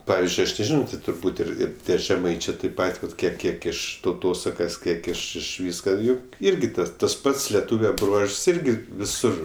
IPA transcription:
ˈpɑːʋʲɪzʲd͡ʒʲʊɪ ˈɐʃ nʲɛˈʒʲɪnoː tʲɪ tʊrˈbuːtʲ ɪr ˈɪr ˈtʲiɛ ʒʲɛˈmɐɪt͡ʃʲeː tʲeːp ˈpɐtʲ ʋɐt ˈkʲiɛk ˈkʲiɛk ɪʃ tɐʊˈtoːsɐkɐs ˈkʲiɛk ɪʃ ɪʃ ˈʋʲiːskɐ ˈjʊk ˈɪrʲɡʲɪ ˈtɐs tɐs ˈpɐts lʲɛˈtuːʋʲɛ ˈbruɔʃs ˈɪrʲɡʲɪ ʋʲɪˈsʊr

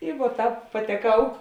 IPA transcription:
ɪ ʋuɔ ˈtɑːp pɐtʲɛˈkɐʊ

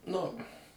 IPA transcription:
nʊ

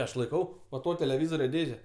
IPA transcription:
ˈɐʃ lˠɐɪˈkɐʊ ʋɐ ˈtoː tʲɛlʲɛˈʋʲɪzoːrʲoː ˈdʲeːʒʲɛ

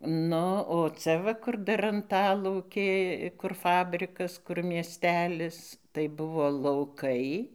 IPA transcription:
ˈnʊ oː ˈt͡sʲɛ ʋɐ ˈkʊr dɐr ɐnˈtɑːlˠɐʊkʲeː kʊr ˈfɑːbʲrʲɪkɐs kʊr mʲiɛˈsʲtʲæːlʲɪs tɐɪ ˈbʊʋoː lˠɐʊˈkɐɪ

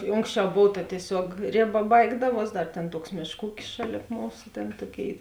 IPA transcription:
ɪ ˈoːŋksʲˌt͡ʃʲɛʊ ˈboːw tɐ tʲiɛˈsʲuɔk ˈrʲeːˌbɐ ˈbɐɪɡdɐˌʋuɔs ˈdɐr ˈtʲeːn ˈtuɔks ˈmʲeːʃˌkuː ˈuːkʲɪs ˈʃɑːˌlʲeːp ˈmuːsʊ ˈtʲeːn ˈtoːˌkʲeːɪ

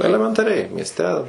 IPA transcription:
ɛlʲɛmʲɛntɐˈrʲɛɪ mʲiɛsʲˈtʲɛ

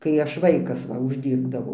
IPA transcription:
kɐɪ ˈɐʃ ˈʋɐɪkɐs ˈʋɐ ʊʒʲˈdʲiːrbdɐʋɐʊ

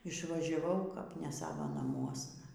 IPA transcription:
ɪʃʋɐʒʲɛˈʋɐʊ kɐp nʲɛ ˈsɑːʋɐ nɐˈmuɔsnɐ

